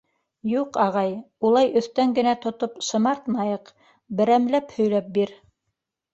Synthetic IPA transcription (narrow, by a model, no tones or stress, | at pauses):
juqɑʁɑj | ulˠɑjɵ̆θt̪æŋɡɘ̆næt̪ŏt̪opʃɤ̆mɑɾt̪nɑjɤq | bɘ̆ɾæmlæphɵ̆jlæp̚biɾ